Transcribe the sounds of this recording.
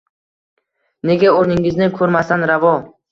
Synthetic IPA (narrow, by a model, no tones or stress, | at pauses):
ne̞ɡʲaoɾnɪŋɪznɪkʰɵɾmasanɾavɒ